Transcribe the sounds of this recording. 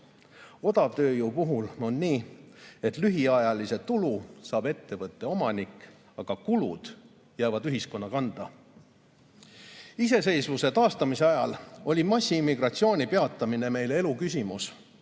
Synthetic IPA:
o̞d̪̥ɑvt̪ø̞ːjuːpuɦulo̞nːiːe̞t̪ˑlyɦiɑjɑlise̞t̪ulusɑːb̥e̞t̪ːe̞vɤt̪ˑːe̞o̞mɑnikːˑ | ɑɡ̥ɑkulud̪̥ | jæːvɑd̪yɦisko̞nːɑkɑnd̪̥ɑ̰ | ise̞se̞jsvuse̞t̪ɑːst̪ɑmise̞ɑjɑlo̞lʲimɑsʲːiimːiɡ̥rɑt̪sio̞ːnʲipe̞ɑt̪ːˑɑmine̞me̞jle̞lukys̬ʲimus

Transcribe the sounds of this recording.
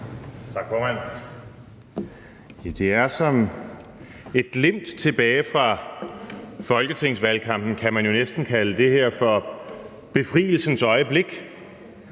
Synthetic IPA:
t͡sʰɑ̈ɡ̥fɒːmæn̰ | jæd̥e̝æɐsɒ̽m | e̝d̥le̝m̰d̥t͡sʰe̝b̥ɛːɪfʁɑ̈ | fɒ̽lɡ̥ət͡sʰe̝ŋ̰sʋælkʰɑ̈m̰b̥n̩kʰæmænjo̝nesd̥n̩kʰæləd̥e̝ɦeɐ̰fɒ | b̥e̝fʁḭːl̩sn̩sɒ̽ɪəb̥le̝ɡ̥

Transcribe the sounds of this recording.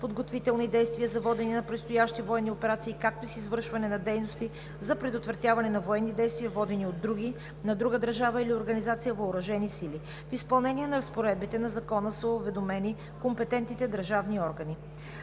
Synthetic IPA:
pod̪ɡot̪vit̪ɛlˠnid̪ɛjst̪viəzɐvɔd̪ɛninɐpɾɛt̪st̪ojaʃt̪ivoɛnːiopɛɾat̪siːkak̚t̪oisizvɤɾʃvɐnɛnɐd̪ɛjnost̪i | zɐpɾɛd̪ot̪vɾɐt̪ʲjavɐnɛnɐvoɛnːid̪ɛjst̪viəvɔd̪ɛniod̪ːɾuɡʲi | nɐd̪ɾuɡəd̪əɾʒavəilioɾɡɐnizat̪sijəvoʊɾɐʒɛnisili | fispɐlˠnɛnʲiɛnɐɾɐspoɾɛd̪̚bit̪ɛnɐzɐkɔnəsəovɛd̪omɛni | kompɛt̪ɛnt̪nit̪ɛd̪əɾʒavniɔɾɡɐni

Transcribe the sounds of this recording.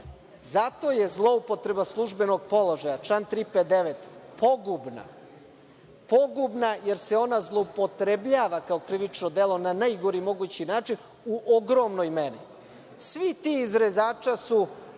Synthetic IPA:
zat̪o̞je̞zlˠo̞upo̞t̪ɾe̞baslˠuʒbe̞no̞ɡ̚po̞lˠo̞ʒajat͡ʃant̪ɾiped̪eʋet̪po̞ɡubna̰ | po̞ɡubnaje̞ɾseo̞nazlˠo̞upo̞t̪ɾebʎaːʋakaokɾiʋit͡ʃnod̪e̞lo̞nanajɡoɾimo̞ɡut͡ɕinaːt͡ʂin | uʔoɡɾo̞mnojmeni | sʋit̪iizɾezaːt͡ʂasu

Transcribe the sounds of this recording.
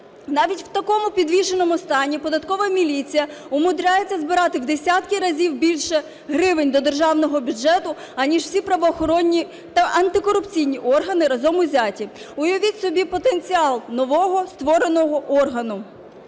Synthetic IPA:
nɑʋʲitʲwt̪ɐkɔmʊpʲid̪ʋʲiʃenɔmʊst̪ɑnʲipɔd̪ɐt̪kɔʋɐmʲilʲit͡sʲijɐʊmʊd̪ɾʲajet͡sʲːɐzbɪɾɑt̪ɪwd̪esʲat̪kɪɾɐzʲiwbʲilʲʃɛ | ɦɾɪʋɪnʲd̪ɔd̪erʒɑwnɔɦɔbʲʊd͡ʒɛt̪ʊ | ɐnʲiʃw̥sʲipɾɐʋɔːxɔɾɔnʲːi | t̪ɐʔɐnt̪ɪkɔɾʊpt͡sʲijnʲiʔɔrɦɐnɪɾɐzɔmʊzʲatʲi | ʊjɔʋʲit̪ʲsɔbʲipɔt̪ent͡sʲiɑlˠnɔʋɔɦɔst̪ʋɔɾenɔɦɔʔɔrɦɐnʊ

